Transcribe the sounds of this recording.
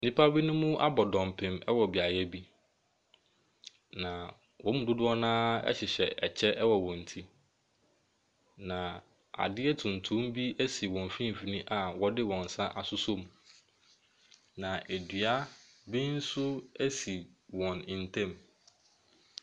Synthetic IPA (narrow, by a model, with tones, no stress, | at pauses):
nĩ˦pʰa˦bi˦nʊ̃˦mʊ̃˦ʔa˦bɔ˨dɔ̃˨m˨pʰɪ̃˨mɛ̰˦wɔ˨bi˨a˨jɛ˦bi˦ | nã˨ | wʔɔ̃˦mũ˨dʊ˦dʊ˦ɔ˦nãː˦ɛ̰˦ɕɪ˨ɕɛ˨ɛ˨t͡ɕʰɛ˦ʔɛ˦wɔ˨wɔ̃˨n̩˨tʰi˦ | nã˨ | a̰˨dɪ˦ɛ˦tʰũ˨n˨tʰũ˦m˦bi˦ʔæ˦si˨wɔ̃˨m˨fĩ˦m˨fi˨nĩ˦ʔa˨wɔ˦dɪ˦wɔ̃˨n̩˨sã˦ʔa˨sʊ˦so˦m˨ | nã˨ʔæ˨dɥa˦ | bĩ˦n̩˦sʊ˦æ˦si˨wɔ̃˨nɪ̃˨n̩˨tʰɛ̃˦˨m